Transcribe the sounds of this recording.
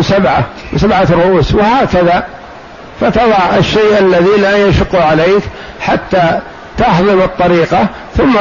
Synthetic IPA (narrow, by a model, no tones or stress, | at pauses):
sabʕa | wsabʕarˤʊʔuːswɪhaːkaða | fat̪ɑðˤɑʕʔɪʃːeːʔalːaðilajaʃʊqːuʕaleːk | ħat̪ːa | t̪ɑħðˤɨmɨt̪ˤːɑɾiːqɑ | θʊmː